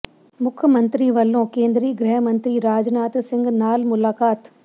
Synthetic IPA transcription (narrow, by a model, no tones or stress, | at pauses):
mʊkʰmɐ̃nt̪ɾiʋɐlːõkẽːnd̪ɾiːɡɾɛɦmɐ̃nt̪ɾiɾaːd͡ʒnaːt̪sɪ̃ŋɡnaːlmʊlaːkaːt̪